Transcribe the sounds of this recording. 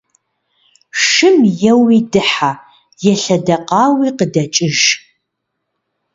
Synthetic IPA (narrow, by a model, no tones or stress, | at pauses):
ʂɨmjɛwiːdɨħa | jɛɬɐdɐqɑːwiːqədɐt͡ʃʼɪʒ